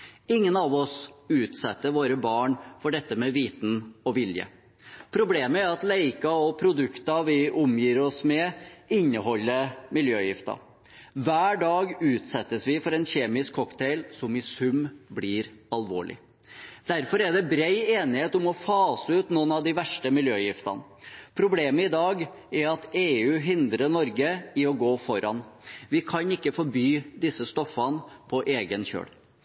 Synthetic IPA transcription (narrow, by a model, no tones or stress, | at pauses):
ɪŋːənɑʋɔsʉːt̪sɛt̪ːəɾʋoːɾəbɑːɳfɔɖɛt̪ːəmɛʋiːt̪nɔʋɪljə̰ | pʰɾʊbleːməæɾɑt̪leɪkɑɔpʰɾʊd̪ʉkt̪ɑʋɪʔʊmjiːɾɔsmɛɪnːəɦɔlːəmɪljøːjɪft̪ɑ̰ | ʋæːɖɑːɡʉːt̪sɛt̪ːəsʋɪfɔɾɛnçeːmɪskʰɔkt̪ʰɛɪlsɔmɪsʉmblɪːɾɑlʋo̰ːɭɪ̰ | d̪̥æɾfɔɾæɖ̪ɛbɾeɪeːnɪheːt̪ɔmɔfɑːsəʉːt̪nuːnɑʋd̪ɪʋæʂʈəmɪljøːjɪft̪ɑ̰n | pʰɾʊbleːməɪd̪ɑːɡ | ɛɾɑt̪eːʉːɦɪnd̪ɾəɳɔɾɡəɪɔɡoːfɔɾɑnʋɪkʰɑnɪkːəfɔɾbyːd̪ɪsəst̪ɔfːɑnəpʰɔʔeːɡənçø̰ːɽ